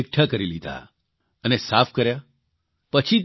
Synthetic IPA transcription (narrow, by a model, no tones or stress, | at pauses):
ɪk̚ʈʰakəɾilid̪ʱa̰ | ənesapʰkəɾja | pət͡ʃʰit̪